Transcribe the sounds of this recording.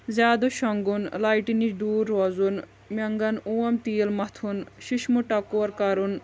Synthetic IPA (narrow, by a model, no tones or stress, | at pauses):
zaːd̪oʃɔŋɡunlajʈiniɖuːɾːɔzun | mʲɐŋɡɐnuːɐmt̪ijlmɐt̪ʰunʃiʃmuʈɐkuɐɾkɐɾun